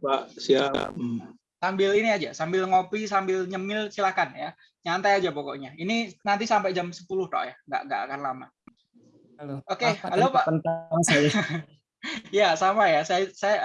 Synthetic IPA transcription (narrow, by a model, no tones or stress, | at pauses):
pa̰ʔsia̰ | sambɪliniad͡ʒa̰sambɪlŋopisambɪlɲəmɪlsilakanja | ɲant̪ajad͡ʒapokɔ̰ʔɲaininant̪isampɛd͡ʒamsə̥pulʊhd̪ɔ̰ʔjaŋɡa̰ʔŋɡa̰ʔa̰kanlama̰ | okealopaʔənt̪aŋsaja | jasamajasajasaja